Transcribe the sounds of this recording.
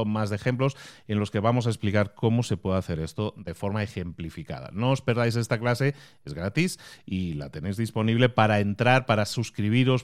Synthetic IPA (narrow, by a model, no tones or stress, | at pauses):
mazðexe̞mplose̞nlo̞ske̞β̞amos̬ae̞splikaɾko̞mose̞pwe̞ðaθe̞ɾe̞st̪o̞ðe̞fo̞ɾmae̞xe̞mplifika̰ð̞a̰no̞ospe̞ɾðajs̬e̞st̪aklase̞ | e̞zɣɾat̪isila̰t̪e̞ne̞jzðispo̞niβle̞paɾae̞nt̪ɾaɾpaɾasuskɾiβ̞iɾo̞s